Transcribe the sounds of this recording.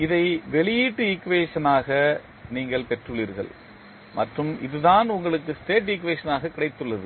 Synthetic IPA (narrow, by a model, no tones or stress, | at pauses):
ɪðɐɪʋɛɭɪjiːʈːɯɪkːʋeːʂɐnaːɣɐ | niːŋɡɐɭpɛʈrɯɭiːɾɣɐ̰ɭ | mɐʈrɯmɪ̰ðɯðaːnʊŋɡɐɭɯkːɯsʈeːʈ̬ɪk̬ːʋeːʂɐnaːɣɐkːɪɽɐɪt̪ːɯɭːɐðɯ